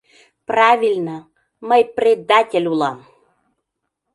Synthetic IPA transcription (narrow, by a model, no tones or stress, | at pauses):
prɑvʲilʲnə | məjprʲed̪ːatʲelʲulˠɑm